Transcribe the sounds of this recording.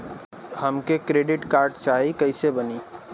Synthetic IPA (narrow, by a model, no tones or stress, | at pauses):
həmkekɾeɖiʈkaɾɖt͡ʃaɦikəɪsebəni